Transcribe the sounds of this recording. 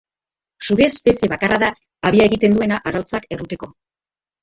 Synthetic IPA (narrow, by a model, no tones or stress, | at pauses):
suɣe̞spe̞sie̞βakaraðaː | βiae̞ɣit̪e̞nd̪ue̞naʔaɾalt͡sake̞rut̪e̞ko̞